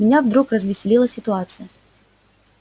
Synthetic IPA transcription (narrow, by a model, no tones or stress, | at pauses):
mʲɪnʲavd̪ɾukrəzvʲɪsʲɪlʲilˠəsʲɪt̪ʊat̪sɨjə